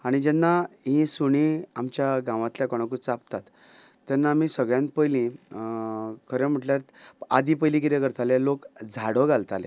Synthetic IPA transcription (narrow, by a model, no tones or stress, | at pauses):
aɽ̃id͡ʑɛnːaɦĩsuɽ̃ĩamt͡ɕjaɡãʋãt̪ljakɔɽ̃ãk̬ut͡sap̚t̪at̪ː | jɛnːaːmiːsəɡɭjãnt̪̚pəjlĩ | kʰəɾɛ̃m̤əʈljaɾt̪a̰d̪ipəjlik̬iɾekəɾt̪alelokd͡zʱaɽəɡalt̪alḛ